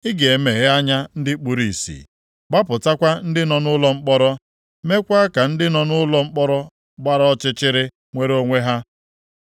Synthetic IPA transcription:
ɪ˦ɡe˨me˨ɣa˦ɲa˦n̩˦dɪ˦k͡pu˨ɾi˨sḭ˨ | ɡ͡ba˦pʊ˨ta˦kʷa˦n̩˦dɪ˦nɔ˨nʊ˦lɔ˦ŋ͡m̩˦k͡pɔ˦ɾɔ˦ | me˦kʷa˦a˦ka˨n̩˦dɪ˦nɔ˨nʊ˦lɔ˦ŋ͡m̩˦k͡pɔ˦ɾɔ˦ | ɡ͡ba˦ɾa˦ɔ˦t͡ʃɪ˦t͡ʃɪ˦ɾɪ˦ | ŋʷe˦ɾo˦ŋʷe˦ɦa˦

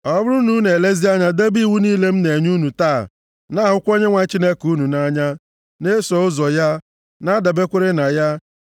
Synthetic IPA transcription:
ɔ˦bʊ˦ɾu˦nu˦ne˨le˦zi˦a˦ɲa˦de˦bi˦˨wu˦niː˦le˦m̩˦ne˨ɲu˦nu˨ta̰ː˦˨ | na˦˨ɦʊ˦kʷo˦ɲe˦ŋʷa˨˦t͡ʃi˦ne˦ku˨˦nu˨na˦ɲa˦ | ne˦sɔ˨ʊ˦zɔ˨ja˦ | na˦da˨be˦kʷe˦ɾe˦na˨ja˦

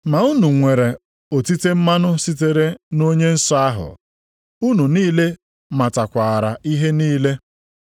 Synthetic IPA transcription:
ma˨u˦nu˨ŋʷe˨ɾe˨ | o˨ti˦te˦m̩˦ma˦nʊ˦si˦te˨ɾe˦no˦ɲe˦n̩˦sɔ˦a˦ɦʊ̰˨ | u˦nu˨niː˦le˦ | ma˨ta˨kʷa˨ɾa˨i˦ɦe˦niː˦le˦

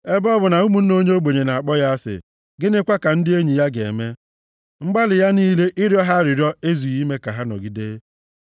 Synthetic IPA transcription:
e˦bɔ˦bʊ˨na˨u˦mu˨n̩˦no˦ɲe˦o˦ɡ͡bo˨ɲe˨na˨a˨k͡pɔ˦ja˦a˦sɪ̰˨ | ɡɪ˦nɪ˦kʷa˦ka˨n̩˦dɪ˦e˦ɲi˨ja˦ɡḛ˨e˨me˦ | ŋ͡m̩˦ɡ͡ba˦lɪ˨ja˦niː˦le˦ʔɪ˦ɾjɔ˦ɦa˦ɾɪ˨ɾjɔ˦e˦zu˨i˦me˦ka˨ɦa˦nɔ̰˨ɡi˦de˦

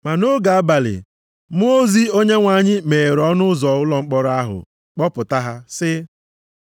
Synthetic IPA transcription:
ma˨no˦ɡa˨a˦ba˨lɪ̰˨ | m˦o˦zi˦o˦ɲe˦ŋʷa˨˦ɲɪ˦me˨ɾɔ˦nʊ˦zɔ˨ʊ˦lɔ˨ŋ͡m̩˦k͡pɔ˦ɾa˦ɦʊ̰˨ | k͡pɔ˦pʊ˨ta˦ɦa˦sɪ˦

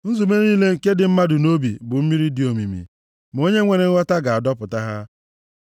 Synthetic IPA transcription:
n̩˦zu˨me˦ɾniː˦le˦ŋ̩˨ke˦dɪ˨m̩˦ma˦dʊ˨no˦bi˨bʊ˨m̩˦mi˦ɾi˦di˨o˨mi˨mḭ˨ | m˨o˦ɲe˦ŋʷe˨ɾe˨˦ŋ̩˦wa˦ta˦ɡa˨a˨dɔ˦pʊ˨ta˦ɦa˦

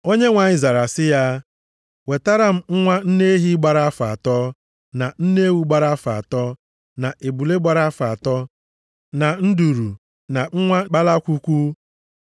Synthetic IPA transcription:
o˦ɲe˦ŋʷa˨ɲɪ˨za˨ɾa˨sɪ˦ja˦ | we˨ta˦ɾa˦m̩˦ŋ̩˦ŋʷa˦n̩˦ne˦ɦi˦ɡ͡ba˨ɾa˦a˦fa˨a˨tɔ˦ | na˨n̩˦ne˦wu˦ɡ͡ba˨ɾa˦a˦fa˨a˨tɔ˦ | na˨ʔe˨bu˨le˦ɡ͡ba˨ɾa˦a˦fa˨a˨tɔ˦ | na˨n̩˦du˨ɾu˨ | na˨ŋ̩˦ŋʷa˦k͡pa˦la˦kʷu˦kʷu˦

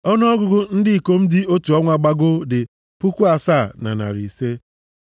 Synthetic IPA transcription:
ɔ˦n˦ɔ˦ɡʊ˦ɡʊ˦n̩˦dɪ˦i˨ko˦m̩˦dɪ˦o˦tu˨ɔ˦ŋʷa˨ɡ͡ba˦ɡʊ˦dɪ˨ | pu˦kʷu˦a˨saː˦˨na̰˨na̰˨ɾḭ˨se˦

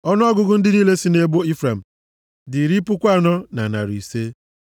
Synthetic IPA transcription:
ɔ˦nʊ˦ɔ˦ɡʊ˦ɡʊ˦n̩˦dɪ˦niː˦le˦si˦ne˦bo˦i˦fɾe˨m̩˨ | dɪ˨ɾi˦pʊ˦kʷa˦˨nɔ˦na˨na̰˨ɾi˨se˦

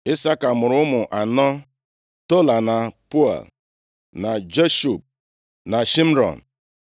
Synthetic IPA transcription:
ɪ˦sa˦ka˨mʊ˨ɾʊ˦mʊ˨ʔa˨nɔ˦ | to˦la˨na˨pu˦a̰˨l | na˨d͡ʒe˦ʃu˨p̚ | na˨ʃi˦m̩˦ɾɔ̰˨n̩˨

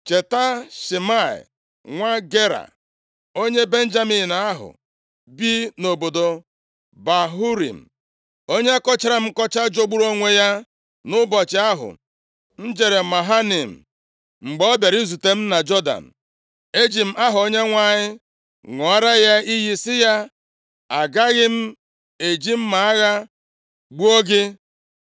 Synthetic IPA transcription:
t͡ʃe˨ta˦ʃi˨ma˦˨ɪ̰˨ | ŋʷa˦ɡe˦ɾa̰˨ | o˦ɲe˦be˦n̩˦d͡ʒa˦mi˨na˨a˦ɦʊ̰˨ | bi˦no˨bo˨do˨ | ba˨ɦu˦ɾḭ˨m̩˨ | o˦ɲe˦a˦kɔ˦t͡ʃa˦ɾa˨m̩˦kɔ˦t͡ʃa˦d͡ʒo˦ɡ͡bu˦ɾo˦ŋʷe˦ja˦ | nʊ˦bɔ˨t͡ʃɪ˨a˦ɦʊ̰˨ | n̩˦d͡ʒe˨ɾe˨ma˨ɦa˦nɪ˨m̩˨ | ŋ͡m̩˨ɡ͡bɔ˦be˨ɾi˦zu˨te˦m̩˦na˨d͡ʒɔ˦da̰˨n̩˨ | e˦d͡ʒi˨m̩˦ʔa˦ɦʊ˨o˦ɲe˦ŋʷa˦ɲɪ˦ | ŋɔ˨a˦ɾa˦ja˦i˦ɦi˦sɪ˦ja˦ | a˨ɡa˦ɣɪ˦m̩˦ | e˨d͡ʒi˦m̩˦ma˨a˦ɣa˦ | ɡ͡bu˦o˦ɡɪ˦

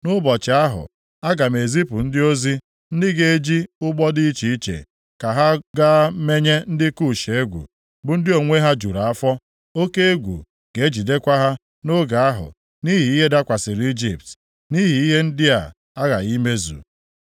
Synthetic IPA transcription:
nʊ˦bɔ˨t͡ʃɪ˨a˦ɦʊ̰˨ | a˦ɡa˨me˨zi˦pʊ˨n̩˦dɪ˦o˦zi˦ | n̩˦dɪ˦ɡe˦e˦d͡ʒi˦ʊ˦ɡ͡bɔ˦di˦t͡ʃi˨i˦t͡ʃḛ˨ | ka˨ɦa˦ɡa˦me˦ɲe˦n̩˦dɪ˦ku˦˨ʃe˨e˦ɡʷṵ˨ | bʊ˨n̩˦dɪ˦o˨ŋʷe˦ɦa˦d͡ʒu˨ɾa˨a˦fɔ˦ | o˦ke˦e˦ɡʷṵ˨ | ɡ̥e˨˦d͡ʒi˨de˦kʷa˦ɦa˦ | nʊ˦ɡa˨a˦ɦʊ̰˨ | ni˦ɦi˨i˦ɦe˦da˦kʷa˨sɪ˨ɾi˦d͡ʒḭ˨p̚t | ni˦ɦi˨i˦ɦe˦n̩˦dɪ˦a̰˨ | a˦ɣa̰˨i˦me˦zṵ˨

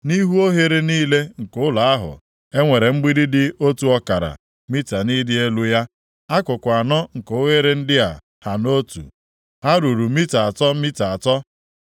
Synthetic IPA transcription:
ni˦ɦu˦o˦ɦe˦ɾe˦niː˦le˦ŋ̩˨kʊ˦la˨a˦ɦʊ̰˨ | e˦ŋʷe˨ɾe˨ŋ͡m̩˦ɡ͡bi˦dɪ˦dɪ˦o˦tu˦ɔ˦ka˨ɾa̰˨ | mi˦ta˨ni˦dɪ˦e˦lu˦ja˦ | a˦kʊ˨kʷa˨nɔ˦ŋ̩˨ko˨ʊ˦ɦe˦ɾe˦n̩˦dɪ˦a̰˨ | ha˨no˦tṵ˨ | ha˦ɾu˨ɾu˨mi˦ta˨a˨tɔ˦mi˦ta˨a˨tɔ˦

